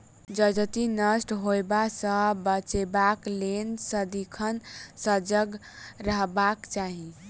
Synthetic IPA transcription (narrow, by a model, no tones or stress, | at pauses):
d͡ʒəd͡ʒt̪inəsʈɦoebasə̃bət͡ʃebaklensəd̪ikʰənsəd͡ʒəɡ | ɾəɦbakt͡ʃaɦi